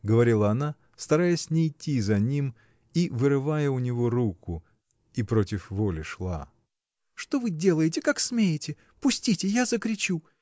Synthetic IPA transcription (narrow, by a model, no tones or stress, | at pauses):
ɡəvɐɾʲilˠɐɐna | st̪ɐɾajəsʲnʲɪːtʲːizɐnʲim | ivɨɾɨvajəʊnʲɪvo̞ɾukʰʊ | ipɾo̞tʲɪfvolʲɪʂlˠa̰ | ʂt̪o̞vɨdʲe̞lˠəjɪtʲɪkaksmʲejɪtʲɪ | pʊsʲtʲitʲɪjazəkɾʲɪt͡ɕu